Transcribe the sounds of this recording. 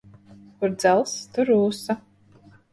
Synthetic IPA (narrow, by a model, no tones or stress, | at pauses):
kʊɾd̪zalˠst̪uɾuːsa